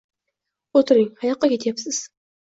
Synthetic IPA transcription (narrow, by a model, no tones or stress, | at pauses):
ot̪ʰɪɾɪŋhajɑqːɑkʲet̪ʰjapsɪz̥